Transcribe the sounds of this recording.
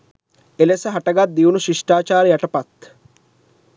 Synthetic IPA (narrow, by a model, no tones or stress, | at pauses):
elesəɦaʈɐɡat̪̚d̪iunuʃiʂʈaːt͡ʃaːɾjaʈɐpat̪